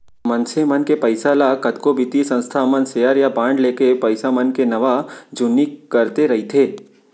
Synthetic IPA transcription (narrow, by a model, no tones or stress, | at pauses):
mənsemənkepəɪsalakɐd̪kobʱɪt̪isə̃nst̪ʰamənsejaɾjabãːɳɖleːkepɐɪsamənkenɐʋad͡ʒʊnːikɐɾt̪eɾɐɦit̪ʰeː